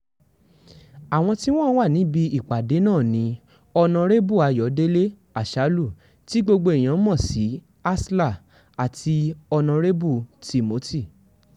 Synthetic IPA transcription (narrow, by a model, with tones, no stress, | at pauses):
a˨w̃ɔ̃˧ti˦w̃ɔ̃˦wa˦˨nĩ˨˦bi˧i˨k͡pa˨de˨˦nãː˦˨nĩ˨˦ | ɔ˧nã˧ɾe˦bu˦˨a˨˧jɔ˨˦de˦le˦ | a˦˨ʃa˨˦lu˦˨ | ti˨˦ɡ͡bo˧ɡ͡bo˧i˨j̃ã˧˦mɔ̃˦˨si˨˦ | a˦sla˦˨ | a˨tʰi˧ɔ˧nã˧ɾe˦bu˦˨ti˨mo˨˦tʰi˦˨